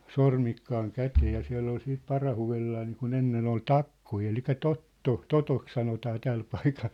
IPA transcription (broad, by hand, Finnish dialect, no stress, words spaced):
sormikːɑːŋ kæteː jɑ siæ̝lː ol siːt pɑrɑhuelːɑː niːkun enːen ol tɑkːoi elikæ totːo totok sɑnotɑː tæl pɑikɑl